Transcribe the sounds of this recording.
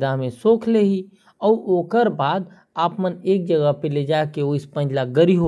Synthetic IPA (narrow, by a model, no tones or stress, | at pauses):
d̪aɦmẽsoːkʰleɦi | ɔːɾoːkəɾbaːd̪ | aːpməneːk̚d͡ʒəɡəɦpeled͡ʒaːekeoɪspə̃nd͡ʒlaɡəɾiɦo